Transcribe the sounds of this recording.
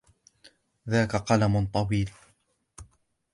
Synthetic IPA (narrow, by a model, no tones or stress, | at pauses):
ðaːkaqɑlamʊt̪ˤɑwiːl